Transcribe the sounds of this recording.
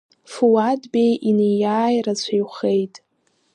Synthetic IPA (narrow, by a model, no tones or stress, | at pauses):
fuwadbejʔinejaːjrat͡ɕʷʰajχe̞jtʼ